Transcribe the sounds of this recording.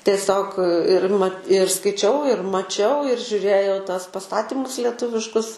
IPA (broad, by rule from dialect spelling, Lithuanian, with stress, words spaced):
tʲiɛˈsʲoːk ɪr mɐ ɪr skɐɪˈt͡ʃʲɛʊ ɪr mɐˈt͡ʃʲɛʊ ɪr ʒʲʊˈrʲeːjɛʊ tuɔs pɐˈstɑːtʲɪmʊs lʲɛˈtʊʋʲɪʃkʊs